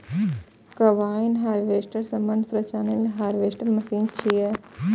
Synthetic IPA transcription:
kɐʋaːinɦaːɾʋeːsʈəɾsɐmbənd̪ʱpɾɐt͡ʃaːnilɦaːɾʋeːʃʈɐɾmɐsiːnt͡ʃʰijɐ

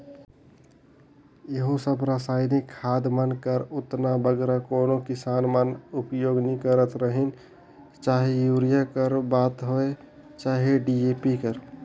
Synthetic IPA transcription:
jeɦosəbɾəsaɪnikʰːaːd̪mənkəɾʊt̪nabəɡɾakoːnokɪsanmənupjoːɡnikəɾət̪ɾəɦin | t͡ʃaːɦejuɾijakəɾbaːt̪ɦoe | t͡ʃaːɦeɖiepikəɾ

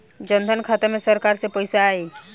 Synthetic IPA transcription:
d͡ʒənd̪ʱənkʰat̪əmẽsəɾkaɾsepəjsaːi

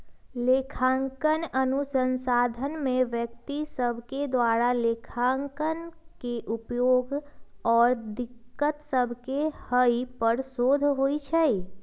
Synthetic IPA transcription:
leːkʰãːŋkənənusənsaːd̪ʱənmẽʋjək̚t̪isəbʱked̪waːɾaleːkʰãːŋkənkeʔʊpjoːɡɔːɾd̪ɪkːət̪səbʱkehəipəɾsoːd̪ʱɦoit͡ʃʰɛi

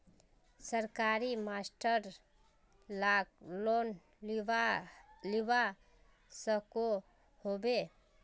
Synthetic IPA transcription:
səɾkaɾimasʈəɾ | laklon | liba | səko | hobe

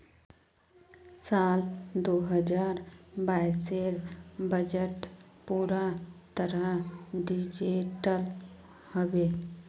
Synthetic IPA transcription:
saːld̪oːɦəd͡ʒaːɾbaːɪseɾbəd͡ʒəʈpuːɾat̪əɾəɖid͡ʒeʈəl | həbeː

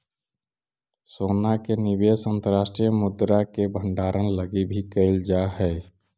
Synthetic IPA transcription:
sonakenibesənt̪əɾaːsʈɾijəmud̪ɾakebʱə̃ɳɖaːɾʔənləɡibʱikəɪld͡ʒaɦɛː

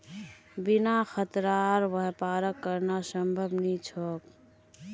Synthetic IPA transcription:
binaxʰət̪ɾaɾʋəɦpaɾəkːəɾnasəmbʱəbnit͡ʃʰɔk

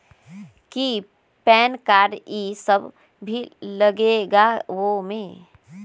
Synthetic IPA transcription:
ki | pɛːnkaːɾisəb | bʱilɐɡeɡaʋomẽ

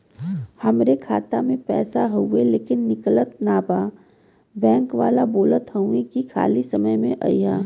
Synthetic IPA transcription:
hɐmɾekʰa̰ːt̪amẽpɛ̰ːsaɦoeleːkɪnːɪklət̪naːbaː | bɛ̃ːŋkʋaːlaboːlət̪ɦə̃ũẽkikʰa̰ːlisɐməjmẽʔa̰ijaː

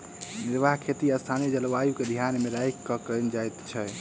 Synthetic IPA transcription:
niɾbaɦkʰet̪iəst̪ʰanid͡ʒəlʋajuked̪ʱijanmeɾajkːəkənd͡ʒajt̪t͡ʃʰɛ

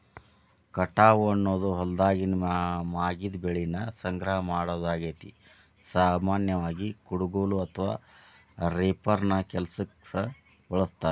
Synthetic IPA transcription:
kɐʈːaːʋuɐnːoːd̪uɦɔld̪aːɡinmmaːɡid̪beɭinɐsɐŋɡɾɐɦɐmaːɽoːd̪aːɡeːt̪i | saːmaːnjɐʋaːɡikuɽuɡoːluɐt̪ʰɐʋa̰ː | ɾeːpɐɾnɐkɛlsɐksɐ | bɔɭɐst̪aːɾ

